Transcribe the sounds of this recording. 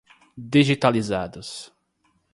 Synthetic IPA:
d̪iʒit̪alizad̪ʊs

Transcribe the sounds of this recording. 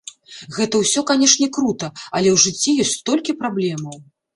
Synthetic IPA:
ɣɛt̪ɐwsʲɔkanʲɛʂnʲɛkɾut̪ɐɐlʲɛwʐɨt͡sʲːijɔsʲtʲst̪ɔlʲkʲipɾablʲɛmɐw

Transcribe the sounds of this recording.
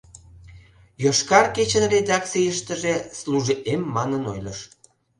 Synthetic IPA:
joʃkɑrket͡ɕənred̪ɑk̚t͡sijəʃt̪əʒesluʒiʔemːɑnənojləʃ

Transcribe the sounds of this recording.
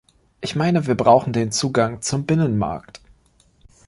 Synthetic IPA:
ʔɪçmaɪnəviːɐbʁaʊxn̩deːnt͡suːɡaŋt͡sʊmbɪnənma̰ɐkt

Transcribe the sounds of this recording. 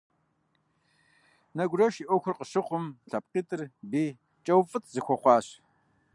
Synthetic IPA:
nɐɡʷrɐʃiʔʷɔxʷʊrqʼəɕɪqʷʊmɬɐp̚qiːtʼɨrbiː | t͡ʃʼɐwfʼɨtʰzɨxʷɔχʷɑːɕ

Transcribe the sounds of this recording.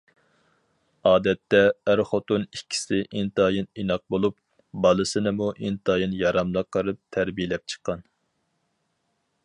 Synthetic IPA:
ɑːd̪ɛt̪ːɛːɾχot̪onikʲʰːi̥sɪʔint̪ɑjininɑq̚bolˠup̚ | bɑlˠɨsɨnɨmuʔint̪ɑjinjɑɾɑmlˠɑqʰːəɾɨp̚t̪ʰæɾbijlɛp̚t͡ʃʰə̥qːɑn

